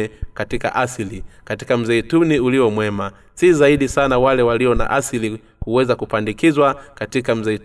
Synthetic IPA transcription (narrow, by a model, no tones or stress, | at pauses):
ɛkatika̰ʔaslikati̥kam̩zɛtuniuliɔmwɛma | sizaiɗisanawalɛwaliɔna̰ʔasili | kuwɛzakupandikizwakatikam̩zɛ